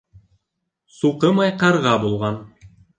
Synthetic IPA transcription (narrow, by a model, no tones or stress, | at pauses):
suqɤmɑjqɑɾʁɑbulˠʁɑn